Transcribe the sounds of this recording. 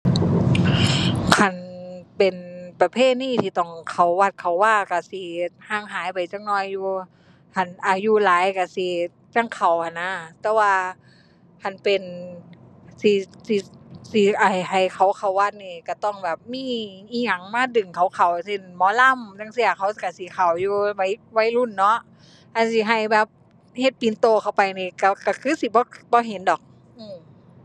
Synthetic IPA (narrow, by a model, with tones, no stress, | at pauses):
kʰa˧˩npe˨npa˧pʰeː˧˥˨t̪̚niː˧˨t̪ʰiː˧t̪ɔ˧˩ŋkʰa˨˩wːa˧˩t̪̚kʰa˨˩wːaː˧˩ka˧˩si˧˦haː˧˩˨ŋɦaː˨˦jpa˨˩jt͡ɕa˧˥˨ŋ̚nɔː˧jːuː˧ | hʰa˧˩nʔaː˨˩juː˧laː˨˦jka˧˩si˧ | t͡ɕa˧˥˨ŋkʰa˨˩wkʰa˧˩nːa˧˥t̪ɛː˧waː˧ | kʰa˧˩npe˨n | si˧si˧si˧ʔa˨˩jha˨˩jkʰa˨˩wkʰa˨˩wːaː˧t̪̚niː˧˩ka˧˩t̪ɔ˧˩˨ŋbɛː˨˩p̚miː˧˥˨iː˧˨ŋa˧˩ŋmaː˧˥˨dɯ˨˩ŋkʰa˨˩wkʰa˨˩wse˧˨nmɔː˧˦la˧˥˨mja˧˨ŋsi˧˩ɐkʰa˧˩wka˧˩si˧˦kʰa˨˩wjuː˧wa˧˥˩jwa˧˥jlu˧˥˨nːɔ˧˦˥ʔ | ʔa˧˨nsi˧˦ɦa˧˩jbɛː˧˩p̚ | he˧t̪̚piː˨nt̪oː˧kʰa˧˩wpa˨jniː˧ka˧˩ka˧˩kʰɯː˧˥si˧˦bɔː˧˦bɔː˧˦ɦe˨˦ndɔː˨˦k̚ | ʔɯː˧˨m